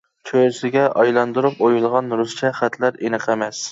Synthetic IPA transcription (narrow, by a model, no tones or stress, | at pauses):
t͡ʃʰøsɪɡʲɛʔɑjlˠɑnd̪uɾupojulˠʁɑnɾust͡ʃʰɛχæt̪ʰlæɾenɨqʰemɛs